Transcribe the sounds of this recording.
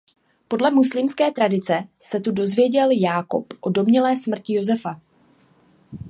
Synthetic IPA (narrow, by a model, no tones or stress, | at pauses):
po̞dlɛmuslimskɛːt̪ɾadɪt͡sɛsɛt̪udo̞zvjɛɟɛljaːko̞̰pʔo̞do̞mɲɛlɛːsmr̩cɪjo̞zɛfa